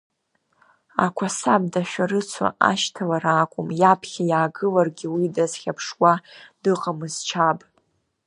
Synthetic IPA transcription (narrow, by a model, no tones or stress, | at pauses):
a̰kʷʰasab̚daʃᶣaɾɨt͡sʷʰa̰ʔa̰ʃtʰalaɾaːkʷʼʊmjapʰχʲajaːɡɨlarɡʲiwidazχʲapʰʂwad̥ɨqʼamɨzt͡ʃʰabʼ